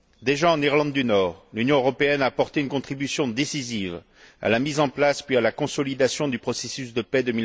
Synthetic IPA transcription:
d̪eʒaɑ̃niʁlɑ̃d̪ːynɔːʁlynjɔ̃øʁɔpeɛnaːpɔʁt̪eynkɔ̃t̪χibysjɔ̃d̪esiziv | a̰lamizɑ̃plaspɥialakɔ̃sɔlid̪asjɔ̃d̪ypχɔsesys̬d̪əpɛd̪əmi

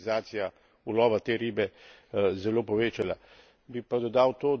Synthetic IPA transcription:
zaːt̪sija | ulɔːʋat̪eːɾiːbɛ | zɛloːpɔʋeːt͡ʃala | bipad̪ɔd̪aːwt̪oː

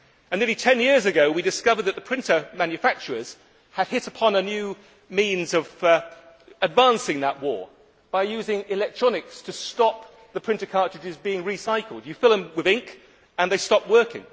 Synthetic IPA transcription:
ɨ̃nmɪlitʰɛ̃njɪɹzɨɡoʊwidɨskʌvəd̪̚ðɨt̪̚ðəpʰɹ̥ɪ̃ntəmæ̃njɨfæk̚t͡ʃə˞əz̥ | ɨd̥̚ɦɪɾəpʰɑ̃nənjʉ | mĩnzʌv | ɨdvæ̃nsɪ̃ŋðəʔ̚wɔ̰ɹ | b̥aɪjʉzɪ̃ŋɪlɛk̚tʰɹ̥ɑnɨkstʰɨstɑp̚ | ðɨpʰɹ̥ɪ̃ntɨkʰɑɹtɹ̥ɨd͡ʒɨzbiɪ̃ŋɹisaɪkl̩ˠdjɨfɪlˠə̃mwɪðɪ̃ŋk | ə̃nðeɪstɑp̚wɜ˞kɪ̰̃ŋ

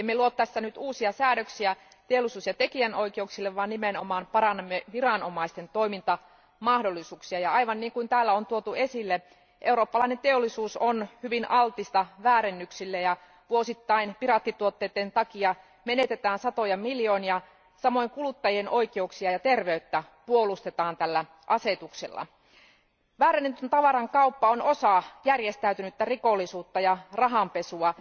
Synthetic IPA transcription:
emːeluot̪t̪æsːænyt̪uːsiɑsæːɾøksiæ | t̪eolːisuːsjɑt̪ekiænoikeuksilːeʋʋɑːnnimeno̰mɑːnpɑrɑnːemːeʋirɑnomɑist̪ent̪oimint̪ɑ | mɑhdolːisuːksiɑjɑɑiʋɑnniːŋkuint̪æːlːæont̪uot̪uesilːe | ʔeuroːpːɑlɑinent̪eolːˑisuːsonhyʋinɑlt̪ist̪ɑʋæːɾenːyksilːejɑ | ʋuosit̪ːɑinpirɑt̪ːit̪uot̪ːeːt̪ːent̪ɑkiɑ | menet̪et̪æːnsɑt̪ojɑmiljoːniɑ | sɑmo̞jŋkulut̪ːɑjieno̞ikeuksiɑjɑt̪erʋeyt̪ːæ | puolust̪et̪ɑːnt̪ælːæ | ʔɑset̪uksḛlːɑ̰ | ʋæːɾenːent̪ynt̪ɑʋɑɾɑŋkɑupːɑono̞sɑjærjest̪æyt̪ynyt̪ːærikolːisuːt̪ːɑjɑrɑɦɑmpesuɑ

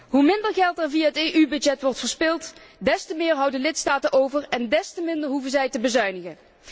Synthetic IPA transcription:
ɦumɪndəɹɣɛlˠtɛɹvijaːɦəteːʔybɵdd͡ʒɛtʋɔɹtfəɹspɪlˠtdɛstəmɪːɹɦʌwdənlɪtstaːtənʔowvəɹɛndɛstəmɪndəɹɦuvənzɛjtəbəzœɥnəɣən

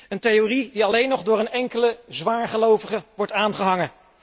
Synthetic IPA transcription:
əntejoridiɑlejnɔχdʊːɾənɛŋkələzʋaːɹχəlowvəχəʋɔɹtaːnχəɦɑŋə

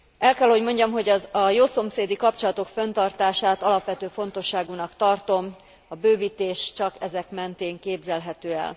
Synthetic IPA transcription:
ɛlkɛlho̞ɟmo̞ɲɟɒmɦo̞ɟɒzɒjoːso̞mseːd̪ikɒpt͡ʃolɒt̪o̞kfø̞nt̪ɒrt̪aːʃaːt̪ɒlɒpʋɛt̪øːfo̞n̪t̪o̞ʃːaːɡunɒkt̪ɒrt̪o̞m | ɒbøːviːt̪eːʃt͡ʃɒkɛzɛkmɛnt̪eːŋkeːbzɛlɦɛt̪øːɛ̰l

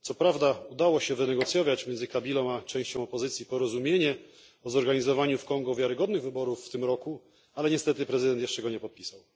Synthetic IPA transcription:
t̪sɔpɾavd̪aud̪awɔɕɛvɘnɛɡɔt̪sʲjɔvʲat͡ɕmʲjɛnzɘkabʲilɔ̃w̃at͡ʂɛ̃w̃ɕt͡ɕɔ̃w̃ɔpɔzɘt̪sʲjipɔɾɔzumʲjeɲɛ | ɔzɔɾɡaɲizɔvaɲufkɔŋɡɔvʲjaɾɘɡɔd̪nɘɣvɘbɔɾufːt̪ɘmɾɔku | alɛɲɛst̪ɛt̪ɘpɾɛzɨd̪ɛnt̪jɛʂt͡ʂɛɡɔɲɛpɔt̪̚pʲi̥saw

